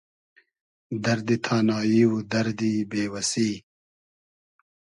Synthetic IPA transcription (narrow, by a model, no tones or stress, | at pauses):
d̪ɐɾd̪it̪ʰaːnaːjiwud̪ɐɾd̪ibeːwɐsiː